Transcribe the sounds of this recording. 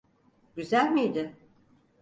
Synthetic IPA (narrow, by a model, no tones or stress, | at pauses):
ɟyzælʲmijd̪ɪ